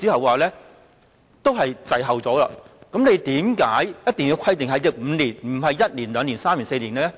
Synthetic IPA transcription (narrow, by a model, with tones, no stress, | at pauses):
t͡siː˥hɐ˨waː˨lɛː˥ | t̪o˥wɦɐ˨jt͡sɐ˨jɦɐ˨˩wt͡sɔː˨˥la̰ː˧kɐ˨˥mne˨˧jt̪iː˨˥mkaː˨˥jjɐ˥t̚t̪e˨ŋjiː˧wkʰɐ˥jt̪ɪ˨ŋɦɐ˨jlɪ˨˥k̚m̩ː˨˧niː˨˩nm̩˨˩ɦɐ˨jjɐ˥t̚niː˨˩nlœː˨˧ŋni˨˩nsaː˥miː˨˩nse˧niː˨˩nɛ˥